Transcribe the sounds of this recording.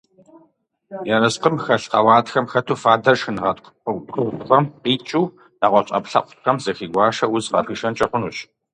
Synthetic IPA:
jɐrɐsqəmxɐɕqɑ̰waːtxɐmxɐtʰuːfaːdɐʃɨnʁɐtʼqʷqədʊwtxʷɐmqiːt͡ʃʼuː | naʁʷɔɕʼɐ̰pɬɐ̰qʷʊ̥txɐmzɐxiːɡʷɑːʃɐwʊzqɐ̰riːʃɐnt͡ʃʼɐqʷʊnuːɕ

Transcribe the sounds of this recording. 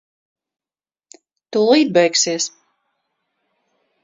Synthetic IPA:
t̪ulˠiːd̪̚bɛjksiɛs

